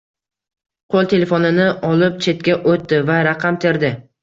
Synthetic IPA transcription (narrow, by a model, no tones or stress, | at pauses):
qʰolˠt̪ʰe̞lefonɪnɪɒlɪp̚t͡ʃʰe̞t̪̚kʲaʔot̪ːɪvaɾaqʰamt̪ʰeɾd̪ɪ